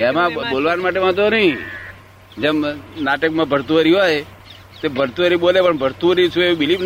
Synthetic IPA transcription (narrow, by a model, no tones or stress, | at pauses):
emãɓolʋanmaʈemãt̪̬onəɦĩ | d͡ʒəmnaʈəkmãbʱəɾt̪uəɾiɦoj | t̪ebʱəɾt̪uəɾiɓolepəɳbʱəɾt̪uəɾit͡ʃʰueɓilib